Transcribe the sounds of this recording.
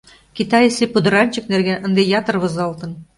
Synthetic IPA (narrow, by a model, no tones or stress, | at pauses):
kit̪ɑjesepud̪ɤ̆ɾɑnʲt͡ɕɘ̆knerɡænʔə̆nd̪ejɑt̪ɤ̆rβɤ̆zɑlˠt̪ɤ̆n